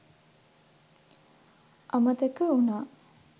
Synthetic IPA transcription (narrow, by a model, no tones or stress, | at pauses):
ʔɐmət̪əkəunaː